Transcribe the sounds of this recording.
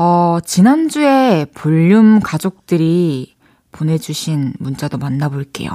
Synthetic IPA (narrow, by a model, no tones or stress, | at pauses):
ʌt͡ɕinand͡ʑue̞puʎːumkad͡ʑok̚t͈ɯɾi | pone̞d͡ʑuɕʰinmunt͡ɕ͈adomanːaboɭk͈e̞̰jo̰